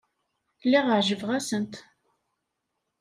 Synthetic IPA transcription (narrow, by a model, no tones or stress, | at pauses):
lːiʁəʕʒəvʁæsənt̪